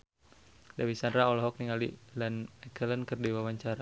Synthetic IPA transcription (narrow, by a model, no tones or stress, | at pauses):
dawisandɾaɔlɔɦɔk̚niŋalilanɛkələnkərdiwawaɲt͡ʃaɾa